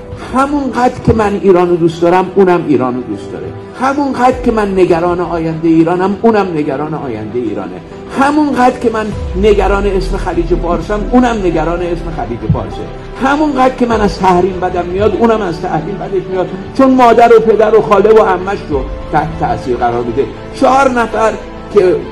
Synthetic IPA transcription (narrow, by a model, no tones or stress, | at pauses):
hæmunɢæːd̪ɾkʰe̞mæniːɾɒːnod̪uːstd̪ɒːɾæmuːnæmiːɾɒːnod̪uːsd̪ɒ̰ːɾḛ | hæmunɢæːd̪ɾkʰe̞mænːe̞ɡæɾɒːneɒːjænd̪e̞jiːɾɒːnæmuːnæmne̞ɡæɾɒːneɒːjæ̰nd̪e̞eḭːɾɒ̰ːnḛ | hæmunɢæːd̪ɾkʲʰemænːe̞ɡæɾɒːneesme̞xæliːd͡ʒefɒːɾsæmuːnæmne̞ɡæɾɒːneesme̞xæliːd͡ʒefɒ̰ːɾsḛ | hæmunɢæːd̪ɾ̥kʲe̞mænæz̥t̪ʰæhɾiːmbæd̪æmːijɒːd̪uːnæmæzt̪ʰæhɾiːmbæd̪eʃmijɒːd̪t͡ʃʰonmɒːd̪æɾopʰe̞d̪æɾoxɒːle̞bohæmːæʃɾot̪ʰæht̪et̪ʰæsiːɾɣæɾɒːɾbed̪e | t͡ʃʰɒɾnæfæɾ | kʲʰe